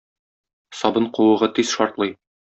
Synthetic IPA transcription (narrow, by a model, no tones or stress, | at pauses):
sɒbɤɴqŭwɤ̆ʁɤt̪izʃɒɾt̪lˠɤj